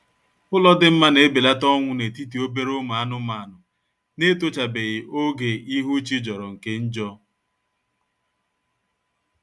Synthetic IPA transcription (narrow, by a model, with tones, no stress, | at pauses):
ʊ˦lɔ˦dɪ˦m̩˦ma˦ne˨˦be˨la˦tɔ˦ŋʷʊ˦ne˨ti˦ti˨o˦be˦ɾʊ˦ma˨a˦nʊ˦ma˨˦˨nʊ˨ | ne˦to˦t͡ʃa˨be˨ɣɪ˨ʔo˦ɡe˨i˦ɦu˦t͡ʃi˦d͡ʒɔ˨ɾɔ˨ŋ̩˨ke˦n̩˦d͡ʒɔ˦